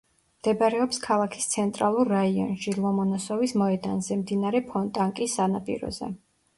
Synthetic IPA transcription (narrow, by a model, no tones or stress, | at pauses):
md̪̥ɛbaɾɛɔpskʰalˠakʰi̥st̪sʰɛnt̪ʼɾalˠuɾːaiɔ̰nʃilˠɔmɔnasɔvismɔɛd̪anzɛmd̪inaɾɛpʰɔnt̪ʼaŋkʼisːanapʼḭɾɔ̰zɛ̰